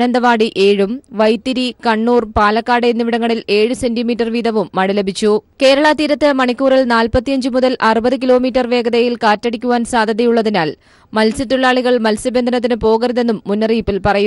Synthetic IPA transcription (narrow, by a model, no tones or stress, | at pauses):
nɐnd̪ɐʋaːɽiʔe̞ːɻumʋɐjt̪ːiɾikɐɳːuːrpaːlɐkːaːɽeinːiʋiɽɐŋːɐɭile̞ːɻuse̞ndimiːtːɐrʋiːd̪ɐʋumːɐɽɐlebʱit͡ɕːuke̞ːɾɐɭat̪iːɾɐt̪ːɨmɐɳikʲːuːrɐlnaːlpɐt̪ːijɐɲd͡ʑɨmuðɐlʔɐrubɐðɨkilo̞ːmiːtːɐrʋe̞ːɡɐðɐjilkaːtːɐɽikʲːuʋaːnsaːd̪ʱɐðɐjuɭːɐðinaːl | mɐlsit̪ːuɭːaːɭiɣɐɭmɐlsɐbe̞nd̪ʱɐnɐt̪ːinɨpo̞ːɣɐɾɐðe̞nːumːunːɐriːpːilpɐrɐju